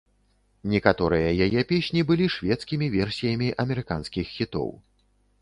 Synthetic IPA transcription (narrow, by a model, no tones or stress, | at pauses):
nʲɛkat̪ɔɾɨjɐjajɛpʲesʲnʲibɨlʲiʂvʲɛt̪skʲimʲivʲɛrsʲijɐmʲiʔɐmʲɛɾɨkanskʲixːʲit̪ɔ̰w